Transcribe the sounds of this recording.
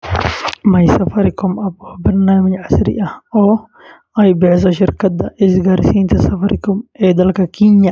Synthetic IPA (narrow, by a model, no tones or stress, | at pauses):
mɐjsɐfɐɾɪkʊmɐbɔːbɐɾnaːmɪd͡ʒʕasɾɪ̰ʔɐhɔː | ɐjbɪʕɪs̬ɔʃɪɾkɐt̪ːɐʔɪsɡɐɾɪsiːnt̪ʰɐsɐfɐɾɪkʊmɛːd̪ɐlkɐkʰiɲɐ